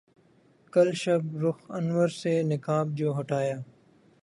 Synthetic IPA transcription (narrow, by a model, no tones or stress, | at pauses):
kəlʃɐbɾʊxənwəɾseːnɪkaːb̚d͡ʒoːɦʊʈaːjaː